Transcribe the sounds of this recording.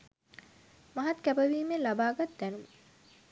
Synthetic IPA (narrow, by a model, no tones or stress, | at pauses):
maɦat̪kæbəʋiːmelabaːɡat̪d̪ænumə